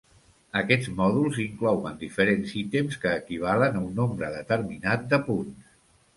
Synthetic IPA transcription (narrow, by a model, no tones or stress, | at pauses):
əkɛd͡zmɔðulˠziŋklɔwənd̪ifəɾensit̪emskəːkiβ̞alənəunːombɾəðət̪əɾminat̪̚d̪əpuns